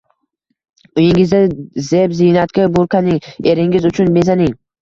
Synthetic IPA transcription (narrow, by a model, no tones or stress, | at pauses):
ʊjɪŋɪzɪzebzɪnat̪kʲabʊɾkʰanɪŋe̞ɾɪŋɪzʊt͡ʃʰʊnme̞zanɪŋ